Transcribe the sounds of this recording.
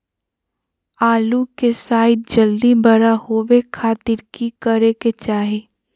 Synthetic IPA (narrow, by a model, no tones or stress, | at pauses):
aːlukesaːɪd̪̚d͡ʒɐld̪ibəɾahoːʋekʰaːt̪ɪɾkikəɾeket͡ʃaːɦeː